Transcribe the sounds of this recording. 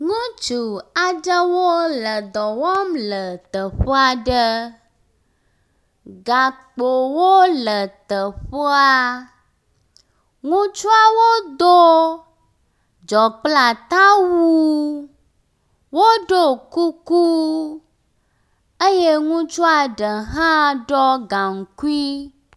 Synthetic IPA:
ŋũ˦t͡ʃu˨a˨d͡ʒə˦wo˦lə˨d̪ɔ˨wɔ˦mlə˨t̪ə˨ɸo˦a˦ɖə˦ | ɡa˨k͡po˨wo˦lə˨t̪ə˨ɸo˦a˦ | ŋũ˦t͡ʃu˦a˦wo˦d̪o˦ | d͡ʒɔ˨k͡pla˨t̪ã˦wu˦ | wo˦ɖo˦˨ku˦ku˦ | e˦je˦ŋũ˦t͡ʃu˦a˨ɖə˨ɦã˦ɖɔ˦ɡa˨ŋ̩˨ku˦i˦

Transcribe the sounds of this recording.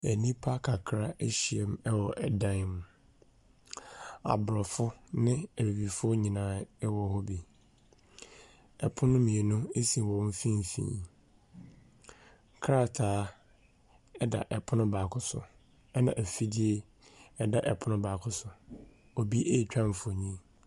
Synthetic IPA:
æ˨nĩ˦pʰa˦kʰa˨kʰɾa˦e˦ɕi˨e˨m˦ɛ˦wɔ˨ʔɛ˨dã˦n˦m̃˨ | a̰˨bɾɔ˨fʊ˦nɪ̃˦æ˨bi˨bi˨fʊ˦ɔ˦ɲĩ˨nãː˦ɛ˦wɔ˨˦hɔ˦bi˨ | ɛ˨pʰʊ̃˦nʊ̃˦mĩ˨e˨nʊ̃˦e˦si˨wɔ̃˨˦m˦fĩ˦m˨fḭ̃ː˨n | kʰɾa˦tʰaː˨˦ | ɛ˦da̰˨ʔɛ˨pʰʊ˦nʊ̃˦baː˨kʰʊ˦sʊ̰˨ | ɛ˦nã̰˨ʔæ˨fi˦di˦e˦ | ɛ˦da˨ʔɛ˨pʰʊ˦nʊ̃˦ba˨kʰʊ˦sʊ˨ | o˨bi˦ʔe˦˨t͡ɕᶣã˦m˨fʊ˦o˨ɲĩ˦˨

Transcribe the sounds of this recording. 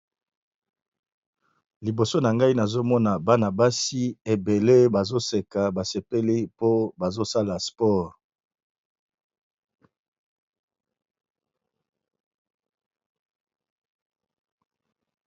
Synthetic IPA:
li˨bo˨so˦na˨ŋɡa˦i˦na˨zo˦mɔ˦na˨ba˦na˨ba˦si˦e˨be˨le˦ba˨zo˦se˨ka˨ba˨se˨pe˦li˦po˦ba˨zo˦sa˦la˨spɔ˦ʁ

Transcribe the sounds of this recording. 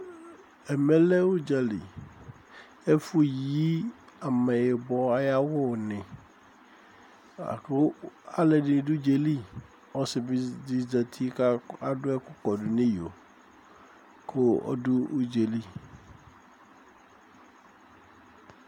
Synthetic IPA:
ɛ˨me˦lɛ˦wu˦d͡ʒa˨lḭ˨ | ɛ˦fu˦ji˦ | a˨mɛ˨je˨bɔ˨a˨ja˦wʊ˦˨nɪ̃˨˦ | a̰˦lɛ˨di˨ɖʊ˦d͡ʒe˨li˦ | ɔ˦sɪ˨bdi˨za˨t̪ʰi˦ka˦a˦˨ɖʊ˦ɛ˦kʊ˦kɔ˨ɖʊ˨nĩ˦jo̰˨ | kʰo˦ɔ̰˦dʊ˦u˦d͡ʒe˨li˦

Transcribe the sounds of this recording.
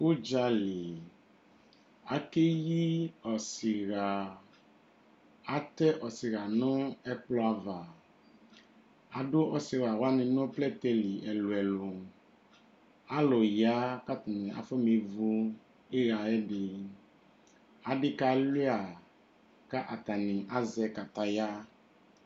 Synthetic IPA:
o˦d͡ʒa˧li˨ | a˨ke˦ji˦ɔ˨si˨ɣa˨ | a˨t̪ɛ˦ʔɔ˨si˨ɣa˨nʊ̃˦ɛ˦k͡plɔ˦a˨va˨ | a˨dʊ˦ʔɔ˦si˨ɾa˨wa˦nɪ̃˨ñ˦plɛ˦t̪ɛ˦li˨ʔɛ˨lʊ˨ɛ˨lo˨ | a˦lɔ˨ja˦ka˦t̪a˨nɪ̃˨a̰˨fɔ˦me˨vu˦ | e˦ɾa˨ɛ˦dɪ˨ | a˨dɪ˦ka˨˦lɪ˦a˨ | ka˦ʔa˨t̪a˨nɪ̃˨ʔa˦zɛ˧ka˨t̪a˨ja˦

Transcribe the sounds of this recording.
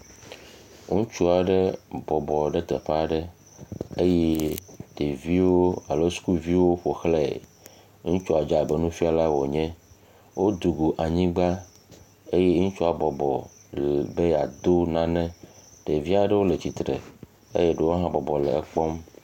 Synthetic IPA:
ŋũ˦t͡ʃu˦a˨ɖe˦bɔ˨bɔ˨ɖe˦t̪ɛ˨ɸe˦a˦ɖe˦ | e˦jɛ˦ɖ̥e˨vi˦wo˦a˨lo˦su̥˦ku˦vi˦wo˦ɸo˨xlɛ˦˨ | ŋũ˦t͡ʃɔ˦a˨d͡ʒa˨be˨nũ˦fi˦a˨la˦wɔ˨ɲɛ̃˦ | wo˦d̪u˨ɡu˨ʔa˨ɲĩ˦ɡ͡ba˦ | e˦je˦ŋũ˦t͡ʃɔ˦a˨bɔ˨bɔ˨ | be˦ja̰˨d̪o˦nã˦nɛ̃˦ɖ̥e˨vi˦a˨ɖe˦wo˦le˨t͡ɕi˨t̪ɾḛ˨ | ḛ˦je˦ɖe˦wo˦ɦã˦bɔ˨bɔ˨lɛ̰˨ɛ˨k͡pɔ˦m

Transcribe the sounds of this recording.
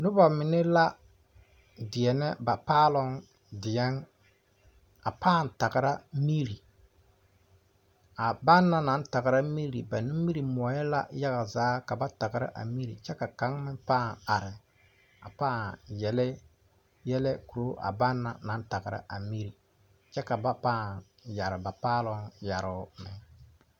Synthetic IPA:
nʊ˦ba˨mɪ˨nɛ˦la˦ | dɪ˨ɛ˨nɛ˦ba˨paː˦lɔ˦ŋ | dɪ˨jɛ˦n | a˨paː˦˨n˨ta˨ɣɪ˨ɾa˦mi˦ɾi˨ | a˨ba˦nːa˦na˨˦n˦ta˨ɣa˨ɾa˦mi˦ɾi˨ba˨nɪ˦mi˦ɾi˨mɔ˨˦jɛ˦la̰˦ja˦ɣa˨zaː˨˦ka˨ba˦ta˨ɡɪ˨ɾa̰˦ʔa̰˨mi˦ɾḭ˨t͡ʃɛ˦ka˨ka˨˦ŋmɪ˦paː˦˨ŋa˨ɾɪ˨ | a˨paː˦˨jɛ˨lɛ˦ | jɛ˦lɛ˦ku˨ɾo˦ʔa̰˨ba˦nːa̰˨na˨˦n˦ta˨ɡɪ˨ɾa̰˦ʔa˨mi˦ɾi˨ | t͡ʃɛ˦ka˨ba˦paː˦˨n | ja˨ɾɪ˨ba˨paː˦lɔ˦ŋja˨ɾʊ˨˦mɪ˨

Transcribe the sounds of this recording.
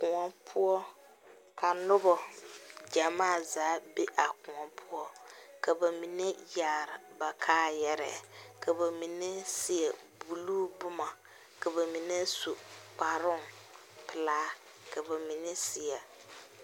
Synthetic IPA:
kʊ˨ŋɔ˨pʰʊ˦ɔ˦ | ka˨nʊ˦bɔ˨d͡ʒa˨maː˦˨zaː˨˦be˦ʔa˨kʊ˨ŋɔ˨pʰʊ˦ɔ˦ka˨ba˨mi˨ne˦jaː˨ɾɪ˨ba˨kʰaː˦jɛ˦ɾɛ̰˦˨kʰa˨ba˨mi˨ne˦si˨ɛ˨ | bu˨luː˦bʊ˦ma˨ | ka˨ba˨mi˨ne˦su˨k͡pa˨ɾʊ˦ŋ | pɪ˨laː˦ | ka˨ba˨mi˨ne˦sɪ˨ɛ˨

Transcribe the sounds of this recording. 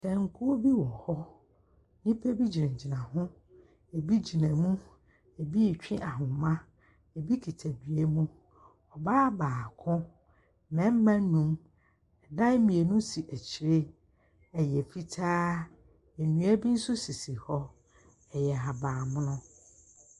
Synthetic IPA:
sʰɛ̃˨ŋ̩˦˨kʰu˦o˦bi˦wɔ˨hɔ˦ | nĩ˦pʰe˦bi˦d͡ʑi˨nɛ̃˨d͡ʑi˨nã˨hʊ̃˦ | e˨bi˦d͡ʑi˨nã˨mũ˦ | e˨bi˦˨t͡ɕᶣɪ̃˦ʔa˨ɦʊ̃˨mã˦ | ɛ˨bi˦kʰi˨tʰæ˨di˨e˦mũ˦ | ɔ˨baː˦baː˨kʰʊ̃˦ | mɛ̃˨˦m̩˦mã˦nũ˦m | ɛ˨dã˦mĩ˨e˨nũ˦si˨ʔæ˨t͡ɕʰi˨ɾe˦ | ɛ˨jɛ˨fi˦tʰaː˦ | e˨nũ˨˦æ˦bi˦n̩˦sʊ˦si˨si˨hɔ˦ | ɛ˨jɛ˨ɦa˨baː˨mʊ̃˦nʊ̃˦

